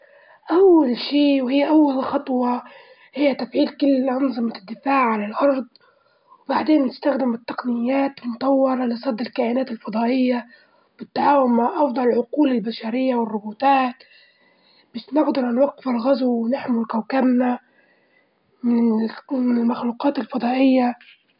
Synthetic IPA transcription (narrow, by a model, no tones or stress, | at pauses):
ʔawːalʃiːwhɪjːʔawːalxɑt̪ˤwɑ | hɪjːat̪afʕiːlkʊlːʕʊnzˤɨmad̪ːɪfaːʕʕalalʔɑɾˤd̪ˤ | wbaʕd̪eːnːɪst̪axd̪ɪmɪt̪ːɑqnɪjːaːt̪mʊt̪ˤɑwːɑɾˤɑlɪsˤɑd̪ːɪlkaːʔɪnaːt̪ɪlfɑd̪ˤɑːʔɪjːa | b̥ɪt̪ːaʕaːwʊnmːaʕʔɑfd̪ˤɑlʕʊquːlɪlbaʃaɾɪjːawɪrˤːʊbuːt̪aːt̪ | bɪʃnɪʕd̪ɑɾˤʔɪnwaqːɪfɪlɣazwwɪnɪħmʊlkawkabna | mɪnmɪnɪlmaxluːqɑːt̪ɪlfɑd̪ˤɑːʔɪjːa